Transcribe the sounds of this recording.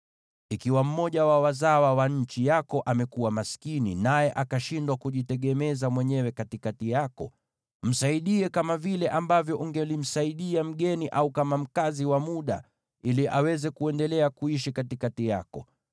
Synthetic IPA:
ikiwam̩mɔʄawawazawawaɲ̩t͡ʃijakɔʔamɛkuwamaskininajɛʔakaʃindwakuʄitɛɠɛmɛzamwɛɲɛwɛkatikatijakɔ | m̩saiɗiɛkamavilɛʔambavjɔʔuŋɡɛlim̩saiɗiam̩ɠɛniʔaukamam̩kaziwamuɗa̰ | iliʔawɛzɛkuɛndɛlɛakuiʃikatikatijakɔ

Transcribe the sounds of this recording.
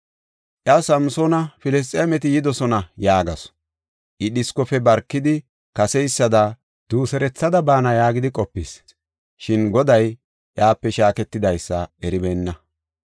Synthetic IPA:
ʔjɐsɐmsoːnɐfɪlɛs̬t̪ʼeːmɛt̪̬ɪjɪd̪ɔsɔnɐjaːɡɐs | ʔɪɗɪskɔfɛbɐɾkːɪd̪ɪ | kɐsɛjsːɐd̪ɐ | d̪̥uːsɛɾɛt͡sːɐd̪ɐbaːnɐjaːɡɪd̪ɪkʼɔpːis | ʃɪnɡɔd̪ɐj | ʔjaːpːɛʃaːkɛt̪ːɪd̪ɐjsːɐɛɾɪbɛːnːɐ

